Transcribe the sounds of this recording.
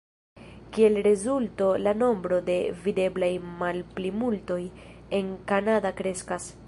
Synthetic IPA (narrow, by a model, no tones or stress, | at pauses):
kie̞lɾe̞zulto̞lano̞mbɾo̞de̞vide̞blajmalplimulto̞je̞ŋkanadakɾe̞skas